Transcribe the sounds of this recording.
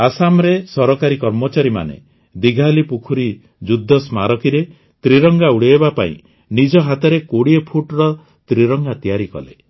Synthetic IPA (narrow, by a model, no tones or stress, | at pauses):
asamɾesɔɾɔkaɾikɔɾmɔt͡ʃaɾima̰nḛ | d̪iɡʱalipukʰuɾi | d͡ʒud̪ʱːɔsmaɾɔkiɾe | t̪ɾiɾɔŋɡauɽeːbapaḭ̃ | nid͡ʒɔɦat̪ɔɾekoɽiepʰuʈɾɔ | t̪ɾiɾɔŋɡat̪ijaɾikɔ̰le